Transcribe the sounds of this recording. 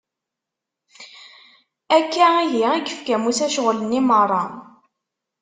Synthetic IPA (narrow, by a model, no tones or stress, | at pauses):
ækːæijiæɡəfkæmusæʃʁlənːimərˤːɑ